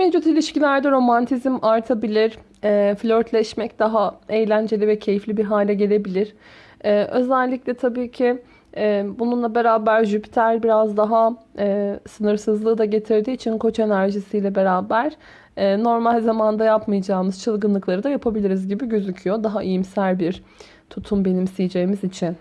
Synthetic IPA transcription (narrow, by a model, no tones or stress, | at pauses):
med͡ʒut̪ilʲiʃcilʲæɾd̪ɛɾo̞mant̪ʰizmaɾt̪ʰabilʲiɾ̥ | ɛːflʲøɾt̪ʰlʲɛʃmɛcd̪̥aɦae̞jlʲænd͡ʒe̞lʲivɛcʰe̞jiflʲibiɾɦaːlʲɛɟe̞lʲe̞bilʲiɾ̥ | ɛːʔø̞zælʲːiclʲɛt̪ʰabiːcʰɪ | ɛbununlˠabe̞ɾaːbæɾʒypi̥t̪ʰælʲbiɾazd̪aɦaɛːsɯnɯɾsɯzlˠɯːd̪aɟe̞t̪ʰiɾd̪iːt͡ʃʰinkʰo̞t͡ʃe̞næɾʒisijlʲɛbe̞ɾaːbæɾ̥ | ɛːno̞ɾmalʲzamand̪ajapmɯjad͡ʒaːmɯz̥t͡ʃʰɯlˠɡɯnlˠɯklˠaɾɯd̪ajapʰabilʲiɾizɟibiɟøzycʰyjo̞d̪aɦaʔijimsælʲbiɾ | t̪ʰut̪ʰumbe̞nimsijid͡ʒeːimizit͡ʃʰin